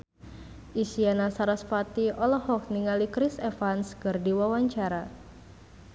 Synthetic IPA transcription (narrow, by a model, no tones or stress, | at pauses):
ʔisianasaɾaspat̪iʔɔlɔhɔk̚niŋalikɾisɛfanskɨrdiwawaɲt͡ʃaɾa